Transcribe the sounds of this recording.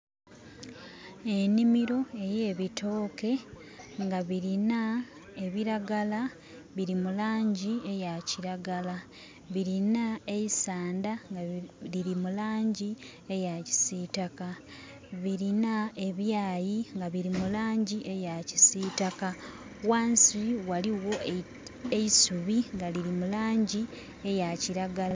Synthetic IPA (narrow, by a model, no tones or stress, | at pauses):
e̞nimiɾo̞e̞je̞ːβitʰo̞ːke̞ | ŋɡaβiɾina | e̞βiɾaɡala | βiɾimulaːɲɟie̞jaciɾaɡala | βiɾinae̞jisaːndaŋɡiɾimulaːɲɟi | e̞jaci̥sitaka | βiɾinae̞βjaːjiŋɡaβiɾimulaːɲɟiʔe̞jaci̥siːtaka | waːnsiwaliwo̞ | eisuβiŋɡaliɾimulaːɲɟi | e̞jaciɾaɡal